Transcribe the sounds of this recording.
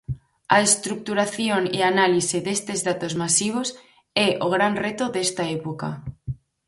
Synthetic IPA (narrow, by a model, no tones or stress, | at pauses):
a̰est̪ɾuk̚t̪uɾaθjoŋeanaliseðest̪ezðat̪ozmasiβ̞os | ɛʔoɣ̞ɾanret̪oðest̪aepoka̰